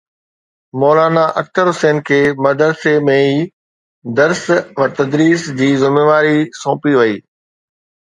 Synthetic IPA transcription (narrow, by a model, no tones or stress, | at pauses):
moːlaːnaʔɐk̚t̪əɾɦʊseːnkʰeːmɐd̪əɾsemẽiː | d̪ɐɾsʋɐt̪ɐd̪ɾiːsd͡ʑiːzɪmeːʋaːɾisõːpiʋɐiː